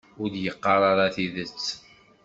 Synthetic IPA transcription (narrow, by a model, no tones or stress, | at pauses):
ʊɾd̪jəqːɑɾˤɑɾˤɑθiðət͡sː